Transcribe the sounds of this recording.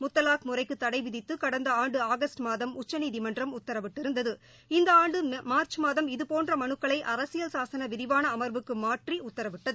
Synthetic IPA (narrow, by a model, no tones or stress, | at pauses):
mʊt̪ːɐlaːkmʊrɐɪkːɯt̪ːɐɽɐɪʋɪðɪt̪ːɯkɐɽɐnd̪ɐaːɳɖɯaːɣɐsʈmaːðɐmʊt͡ʃːɐniːðimɐndrɐmʊt̪ːɐɾɐʋɪʈːɪɾɯnd̪ɐðɯ | ɪnd̪ɐaːɳɖɯmaːɾt͡ʃmaːðɐmɪðɯpoːndrɐmɐɳɯkːɐɭɐɪʔɐɾɐsɪjɐlsaːsɐnɐʋɪðɪʋaːnɐːmɐɾbɯkːɯmaːʈriʊt̪ːɐɾɐʋɪʈːɐðɯ